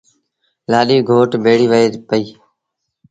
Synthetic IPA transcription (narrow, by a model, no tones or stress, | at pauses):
laːɗiːɡʱoːʈbʱeːɽiːʋəeːpəiː